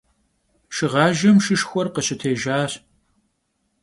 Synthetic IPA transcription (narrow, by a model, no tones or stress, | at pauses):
ʃɨʁɑːʒɐmʃɨʃxʷɔrqəɕɪtʰeːʒaːr